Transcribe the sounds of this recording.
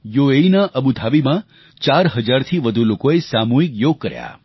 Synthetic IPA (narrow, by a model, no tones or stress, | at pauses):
joeinaʔəbud̪ʱaʋimã | t͡ʃaɾɦəd͡ʒaɾt̪ʰiʋəd̪ʱulokoesamuɦikjoɡ̚kːəɾja̰